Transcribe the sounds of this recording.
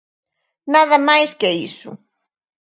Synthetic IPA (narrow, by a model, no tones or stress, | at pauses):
naðɐmajskeisṵ